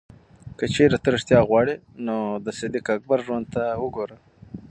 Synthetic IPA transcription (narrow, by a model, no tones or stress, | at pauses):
kət͡ʃeɾat̪əɾɪʂt̪jɑɣwɑɽi | nod̪əsɪd̪ikak̚baɾʒwand̪̚t̪awəɡoɾə